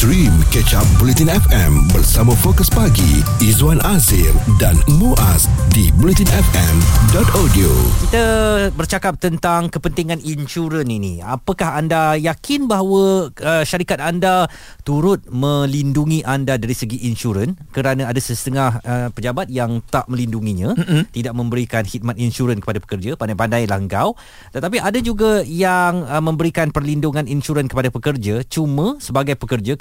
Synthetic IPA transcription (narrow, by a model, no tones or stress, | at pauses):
dɾimkət͡ʃap̚bulit̪inɛfɛmbərsamãfokəspaɡḭ | izanazɪldanmuʔasdibulit̪inɛfɛmdɔt̪adio̰kit̪abərt͡ʃakap̚t̪ənt̪aŋkəpənt̪iŋãninʃuɾəninḭa̰pəkahandajakɪnbaɦawəəʃaɾikat̪̚anda | t̪uɾʊt̪̚mə̃linduŋĩʔandadaɾisəɡiʔinʃuɾənkəɾanãadasəsət̪əŋahəpəd͡ʒabat̪̚jaŋt̪aʔmə̃linduŋiɲãt̪idaʔ̚mə̃mbəɾikanhit̪̚mat̪inʃuɾənkəpadapə̥kərd͡ʒapandajpandajlahəŋɡaw | t̪ət̪ap̬iʔadad͡ʒuɡajaŋəmə̃mbəɾikanpərlinduŋãninʃuɾənkə̥padapəkərd͡ʒat͡ʃumə̃səbaɡajpəkərd͡ʒa